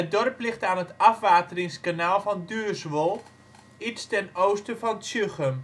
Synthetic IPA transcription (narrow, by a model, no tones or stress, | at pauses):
ədɔrplɪχtaːnətɑfʋaːtərɪŋskanaːlˠvɑndyːsʋolˠ | itstɛnowstəfɔnsøχəm